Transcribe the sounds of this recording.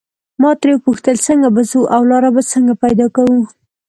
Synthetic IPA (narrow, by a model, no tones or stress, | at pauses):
mɑt̪ɾewpuxt̪əlsəŋɡabazuʔawlɑɾabat͡səŋɡapajd̪ɑkawu